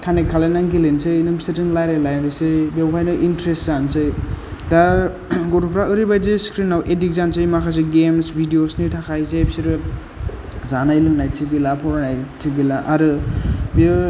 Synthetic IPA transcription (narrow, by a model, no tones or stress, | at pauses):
kʰanekʰalanaŋɡilensɯjnɯmsetiŋlajɾelajnɾɯsɯbiawpʰajnɯʔintɾestzansɯjda | ɡotʰupʰɾaɯɾibajzɯskɾinawʔedik̚zansɯjmakʰas̬eɡemsbʱidijosnitʰakʰajzejbsiɾɯ | zanajlɯŋnajtʰiɡɯlapʰɔɾanajtʰiɡilaʔaɾɯbi